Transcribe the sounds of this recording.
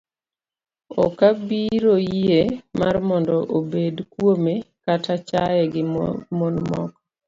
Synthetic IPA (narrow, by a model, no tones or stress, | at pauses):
ɔ̰kabiɾojemarmɔndɔʔobedkwomekatat͡ʃajɛɡɪmonmɔk